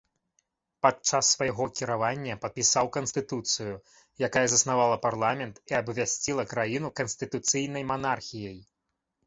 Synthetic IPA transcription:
pat͡ʂasːvɐjɣɔkʲiɾavanʲːɐpɐt̪̚pʲisawkɐnsʲt̪ɨt̪ut̪sɨju | jakajɐzɐsnavalˠɐparlˠamʲɛnt̪iɐbvʲasʲt͡sʲilˠɐkɾajinukɐnsʲt̪ɨt̪ut̪sɨjnɐjmanarxʲijɐj

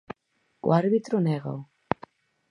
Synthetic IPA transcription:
w̰aɾβit̪ɾuneɣo̰w

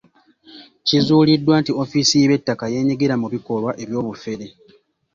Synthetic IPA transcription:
cizuːlidːwaːntio̞fisiβe̞tːakaje̞ːɲiɡeɾamuβiko̞lwaʔe̞βjo̞ːβufe̞ɾe̞

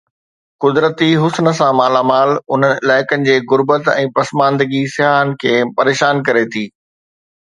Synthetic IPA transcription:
kʊd̪ɾət̪iɦʊsnə̆sãmaːlaːmaːlʊn̤ənɪ̆ɪlaːɪkənɪ̆d͡ʑeːɣʊɾbət̪ɛ̰̃ːpɐsmãːnd̪əɡisɪɦaːɦənɪ̆kʰeːpɐɾeːʃaːnkɐɾet̪ʰiː

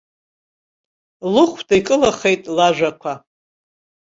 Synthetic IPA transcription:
lɨχʷʰdaijkʼɨlaχe̞jtʼlaʒʷᶣakʷʰa

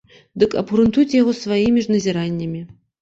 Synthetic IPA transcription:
d̪ɨkɐ̰bɣɾɨnt̪ut͡sʲjaɣɔsvajimʲiʐnɐzʲiɾanʲːɐmʲi

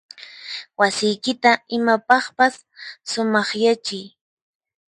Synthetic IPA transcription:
wasɪjkɪt̪aɪmapɑχpasː | ʊmɑχjat͡ʃɪj

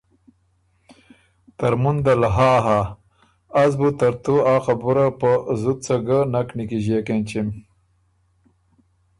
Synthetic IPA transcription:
t̪ɐɾmund̪alɦaːɦaː | zbut̪ɐɾt̪uaːxabuɾapəzut̪̚t͡saɡanaknikiʑekent͡ɕim

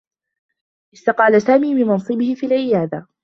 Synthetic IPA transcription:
ʔɪst̪ɑqɑːlasaːmiːmɪnmɑnsˤɨbɪhɪfiːlʕɪjaːd̪a

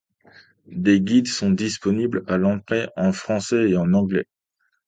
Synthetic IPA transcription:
d̪eɡʲid̪sɔ̃d̪ispɔniblalɑ̃t̪χeʔɑ̃fχɑ̃sɛeɑ̃nɑ̃ɡlɛ

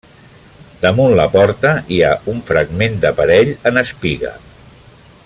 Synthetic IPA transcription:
d̪əmunlə̰pɔɾt̪əiauɱfɾəɡmend̪əpəɾɛʎənəspiɣə̰

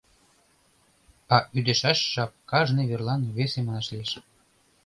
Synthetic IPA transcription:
ɑʔyd̪eʃæʃʃɑp̚kɑʒneβerlɑnβesemɑnɑʃlieʃ

